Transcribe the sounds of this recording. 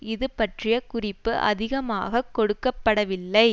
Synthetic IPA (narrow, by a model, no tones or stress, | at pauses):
ɪðɯpːɐʈrɪjɐkʊrɪpːɯʔɐ̰ðɪɣɐma̰ːɣɐkːɔɽɯkːɐpːɐɽɐʋɪlːɐɪ